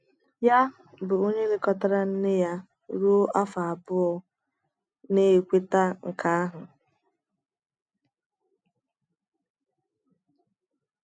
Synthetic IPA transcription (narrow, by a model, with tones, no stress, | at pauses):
ja˦ | bʊ˨o˦ɲe˦lɪ˦kɔ˦ta˦ɾa˦n̩˦nɪ˦ja˦ | ɾu˦a˦fa˨a˨bʊ˦ɔ˦ | ne˦e˨kʷe˦ta˦ŋ̩˨kʰa˦a˦ɦʊ˨